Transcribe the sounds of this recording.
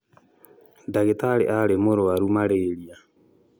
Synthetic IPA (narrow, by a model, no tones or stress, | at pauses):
daɣetaleʔalemoɾoaɾumaleːɾia